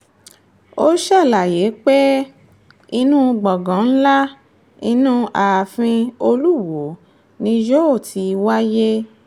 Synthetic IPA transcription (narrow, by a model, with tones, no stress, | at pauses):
o˦ʃa˦˨la˨je˨˦k͡pe˦ | i˧nũ˦˧ɡ͡bɔ˨ɡã˨˦n̩˦la˦ | i˧nũ˦a˨fĩ˧o˧lu˦˨wo˨˦ | nĩ˧d͡ʒo˦o˦˨tʰi˨˧wa˦je˦